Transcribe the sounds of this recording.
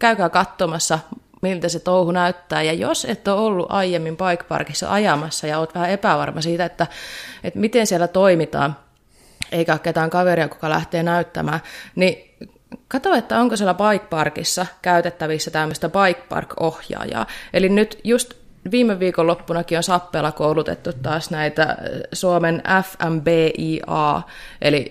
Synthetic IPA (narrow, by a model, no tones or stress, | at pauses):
kæykæːkɑt̪ːomɑsːɑ | milt̪æset̪ouhunæyt̪ːæːjɑjo̰set̪ːoolːṵʔɑijemːimpɑikpɑ̰rkisːɑ̰ʔɑjɑmɑsːɑjɑoːt̪ʋæhæepæʋɑ̰rmɑsiːt̪æet̪ːæet̪mit̪ensielːæt̪oimit̪ɑ̰ːn | eikæɑkːet̪æːŋkɑʋeɾiɑku̥kɑlæ̰ht̪eːnæyt̪ːæ̰mæːni | kɑt̪oet̪ːæoŋkosielæbɑikpɑrkisːɑkæyt̪et̪ːæʋisːæt̪æmːøst̪æbɑikpɑ̰rkohjɑ̰ːjɑ̰ːelinnyt̪just̪ | ʋiːmːeʋːiːkolopːunɑkionsɑpːeːlːɑkoulut̪ḛt̪ːut̪tɑːsnæit̪æ̰suomenʔæfæmbeːʔiːʔɑ̰ː | ʔḛli